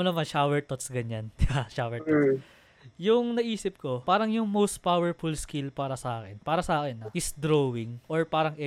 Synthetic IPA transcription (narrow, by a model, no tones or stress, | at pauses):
onɐmanʃawɛɹt̪ot̪sɡɐɲand̪ɪbaʃawɛt | jʊŋnɐʔiːsɪp̚ko̞paːɾɐŋjʊŋmowst̪̚pawɛɹfulskilpaːɾɐsɐʔaːkɛnpaːɾɐsɐʔaːkɛnːɐʔɪsd̪ɾowɪŋʔoɹpaːɾɐŋʔɛ